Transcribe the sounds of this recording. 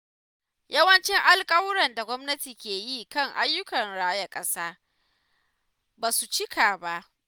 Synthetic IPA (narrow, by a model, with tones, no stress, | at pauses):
jɐ˦wɐ˦nt͡ʃɪ˦ŋʔa˦lkʼɐ˦wɽɐ˨nda˨ɡʷɔ˦mnɐ˦tiː˨kʲeː˨jiː˦kɐ˦˨ŋʔa˦jːʊ˦kɐ˨nɽaː˦jɐ˦kʼɐ˦saː˦ | baː˨su˨t͡ʃɪ˦kʰaː˨ba˦ʔ